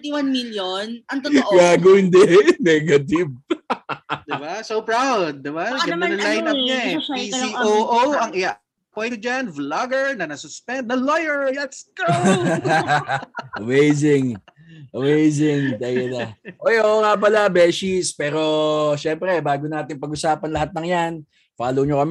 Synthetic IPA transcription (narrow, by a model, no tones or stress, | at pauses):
t̪ɪwanmiljonɐt̪ɡaːɡʊɪnd̪ɛnɛɡɐt̪ɪv | d̪ɪbasowpɹawd̪̚ːɪbaɡɐɐnɐlajnɐɲaisioʔowɐŋɪja | poj̪d͡ʒanvlaɡɛɹnɐnɐsʊspɛnd̪̚nɐlojɛɹjat̪sko | ʔɐmejsɪŋ | ʔɐmejs̬ɪŋt̪ɐjɐnɐʔojʔoʔoŋaːp̬ɐlabɛːsispɛːɾo̞ʃɛmpɾɛbaːɡonaːt̪ɪŋpɐɡʊsaːpɐnlɐɦat̪̚nɐŋjan | faːlowɲokɐmɛ